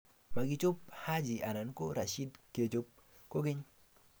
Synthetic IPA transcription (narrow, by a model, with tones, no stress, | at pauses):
ma˨ɡɪ˨˦t͡ʃo˦p̚ha˦d͡ʒi˨ʔa˨na˨nko˦ɾa˨ʃi˦dke˨t͡ʃo˦p̚ | ko˦ɡɪ˦ɲ